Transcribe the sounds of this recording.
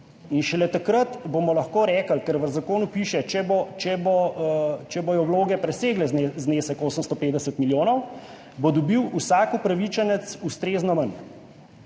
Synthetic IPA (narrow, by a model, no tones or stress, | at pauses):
inʃɛlɛt̪akɾət̪bomɔlɐxkoːɾɛːkəlkɛɾʋəzakoːnupiːʃɛt͡ʃɛbɔt͡ʃɛbɔt͡ʃɛbɔjɔwloːɡɛpɾɛseːɡlɛzneːsəkoːsəmst̪ɔpeːt̪d̪ɛsət̪miljoːnɔw | bod̪ɔbiwusaːkupɾaʋit͡ʃɛnɛt̪sust̪ɾeːznɔmən